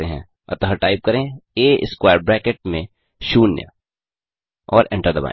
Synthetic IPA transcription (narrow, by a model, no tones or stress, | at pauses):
eɦɛ̰̃ | ɐ̰t̪ɦəʈaːɪp̚kɐɾẽeːɪskwaːɾbɾɛ̃ːkeʈ̚mẽ | ʃuːnjə̰ | ɔːɾɛ̰̃ɳʈəɾd̪əba̰ː